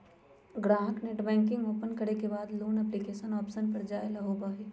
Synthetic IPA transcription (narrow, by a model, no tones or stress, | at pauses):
ɡɾãːɦəkneʈbɛ̃ːŋkɪ̃ŋɡoːpənkɐɾekebaːd̪loːnɛplikeːʃənɔːpʃənpɐɾd͡ʒaːelɐɦoːbaɦiː